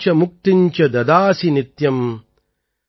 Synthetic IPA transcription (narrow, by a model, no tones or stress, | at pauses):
t͡ʃɐmuk̚t̪iɲt͡ʃɐd̪ɐd̪aːsinit̪jɐm